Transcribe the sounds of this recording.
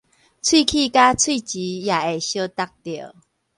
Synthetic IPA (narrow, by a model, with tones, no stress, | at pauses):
t͡sʰwi˥˧kʰi˥˧˨ka˦t͡sʰwi˥˧t͡ɕi˨˦ja˨˩e˨˩ɕjo˥˦t̪a˥˧k̚t̪j